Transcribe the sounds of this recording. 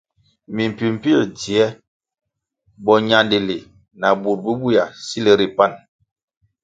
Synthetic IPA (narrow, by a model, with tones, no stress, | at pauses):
mi˨m˨pi˨m̩˨pi˦˨d͡ʒi˨ɛ˦ | bɔ˨ɲa˨ndi˨li˨ | na˨bu˨ɾ̚bu˦bu˦ja˨si˦le˦ɾi˨pa˦˨n